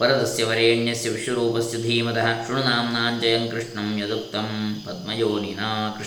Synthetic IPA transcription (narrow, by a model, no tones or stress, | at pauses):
pɐɾɐd̪ɐsjɐʋɐɾeːɳjɐsjiʋʂɐɾuːpɐsud̪ʱiːmɐd̪ɐɦɐkʂuɳunaːmnaːnd͡ʒɐjɐŋkɾɨʂɳɐmjɐd̪uk̚t̪ɐmpɐd̪̚mɐjoːninaːkɾ